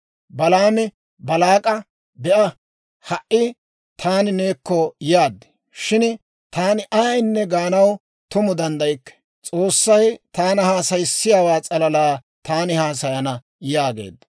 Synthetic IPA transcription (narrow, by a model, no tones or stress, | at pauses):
bɐlaːmɪ | bɐlaːkʼɐ | bɛʔɐ | hɐʔɪ | t̪ʰaːnɪneːkːɔjaːd̪ːɪ̥ | ʃɪn | t̪aːnɪʔɐjnːɛɡaːnɐw | t̪ʊmʊd̪ɐnd̪ɐjkːɛ̥ | t͡sʼo̞ːsːɐjt̪aːnɐhaːsɐjsːɪjaːwaːt͡sʼɐlɐlaː | t̪aːnɪhaːs̬ɐjɐnɐ | jaːɡe̞̰ːd̪ɐ